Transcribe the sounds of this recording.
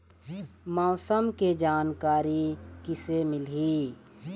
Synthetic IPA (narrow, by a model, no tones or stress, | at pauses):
maːsəmked͡ʒaːnkaːɾikisemɪliː